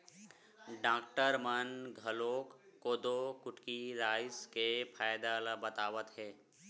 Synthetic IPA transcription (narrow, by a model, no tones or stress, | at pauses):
ɖaːkʈəɾmənɡʱəloːkːoːd̪okʊʈkiɾaːɪskepʰaːjd̪aləbət̪aːʋət̪ɦɛː